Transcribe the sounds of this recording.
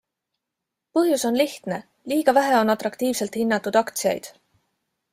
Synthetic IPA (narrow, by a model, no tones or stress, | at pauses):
pɤɦjuso̞nliht̪ne̞ | liːɡ̥ɑvæɦeo̞nɑt̪ˑɾɑkt̪iːvse̞lt̪hinːɑt̪ːˑud̪̥ɑkt̪siɑ̰jd̪̥